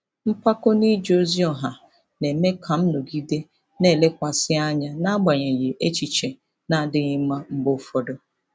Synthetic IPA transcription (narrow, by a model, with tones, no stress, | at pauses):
m̩˦pa˦ko˦ni˦d͡ʒo˦zi˦ɔ˨ɦa˨ | ne˨me˦kʰa˨m̩˦no˨ɡi˦de˦ | ne˦˨le˦kʷa˨sɪ˦a˦ɲa˦na˦ɡ͡ba˨ɲe˨je˨ʔe˦t͡ʃi˨t͡ʃe˨ | na˦˨dɪ˦ɲɪ˦m̩˦ma˦m̩˦ɡ͡bʊ˦fɔ˦do˦